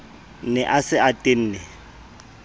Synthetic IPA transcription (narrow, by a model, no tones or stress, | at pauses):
nɛʔasɪatʼɪn̩ːnɪ